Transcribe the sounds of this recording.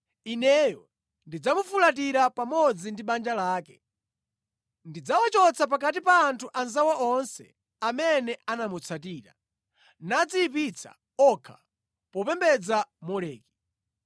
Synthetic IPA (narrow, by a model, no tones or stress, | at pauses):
inɛjɔ | ndid͡zamufulat̬iɾapamɔd͡zindiɓand͡ʒalaːkɛ | ndid͡zawat͡ʃɔt͡sʰap̬akat̬ipaːntʰuʔanzawaʔɔnsɛ̰ | amɛnɛanamut͡sʰat̬iːɾa̰ | nad͡ziːpit͡sʰa̰ | ɔkʰa | pɔpɛmbɛd͡zamɔlɛːki̥